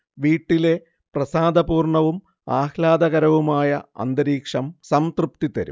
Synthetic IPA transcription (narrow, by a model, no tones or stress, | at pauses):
ʋiːʈːile̞ | prɐsaːd̪ɐpuːrɳɐʋum | aːhlaːd̪ɐɣɐɾɐʋumaːjɐɐ̰nd̪ɐɾiːkʂɐmsɐmt̪rup̚t̪it̪ɐɾṵm